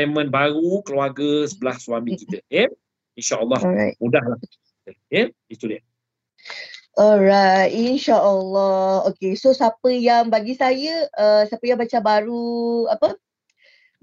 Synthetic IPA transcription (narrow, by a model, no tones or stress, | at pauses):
mə̃nbaɾukəluaɡəsəbəlahswamĩkit̪əje | inʃaʔəlːɑhamudahlah | kit̪əje | it̪udiə | ʔɔrajtinʃaʔəlːɔhokesosapəjaŋbaɡisajəəsapəjaŋbat͡ʃabaɾuapə